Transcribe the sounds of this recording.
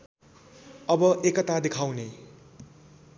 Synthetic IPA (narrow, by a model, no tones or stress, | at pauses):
ʌbʌʔekʌt̪ad̪ekʰawne